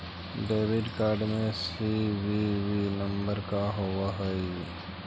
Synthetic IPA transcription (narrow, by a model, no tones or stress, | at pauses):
ɖeːʋɪɖkaːɾɖmẽsiwiʋinəmbəɾkaɦowaɦəi